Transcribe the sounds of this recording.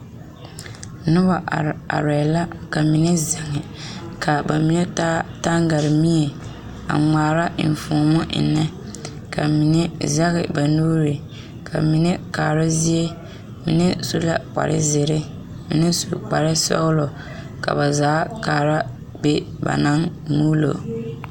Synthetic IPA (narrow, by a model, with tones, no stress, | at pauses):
nʊ˦ba˨a̰˨ɾɛ˨la˦ka˨mi˨nɛ˦za˨ŋɪ˨ka˨ba˨mi˦nɛ˦ta˦ta˦ŋ˦ɡa˨ɾɪ˨mi˦e˨ | a̰˨ŋaː˨ɾa˦˨n˨fu˨mɔ˦ʔɪ̰˨nɛ˦ | ka˨mi˨nɛ˦za˦ɣɪ˨ba˨nuː˦ɾɪ˨ | kʰa̰˨mi˨nɛ˦kaː˨ɾa˦zi˦e˦ | mḭ˨nɛ˦su˦la˨k͡pa̰˨ɾʔɪ̰˦zɪ˨ɾɪ˦ | mi˨nɛ˦su˨k͡pa˨ɾɪ˦sɔ̰˦lo˨ | ka̰˨ba˨zaː˨˦kaː˨ɾa˦ | be˦ | ba̰˨na˦ŋ | nuː˦lo̰˨